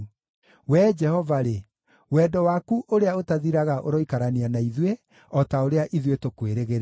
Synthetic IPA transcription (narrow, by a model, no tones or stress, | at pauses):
wɛd͡ʒɛhɔvaɾe | wɛːdɔwakuʔoɾeaotaðiɾaɣaʔoɾɔikaɾanianaiðwe | ɔtaoɾeaʔiðwetokweɾeɣeɾ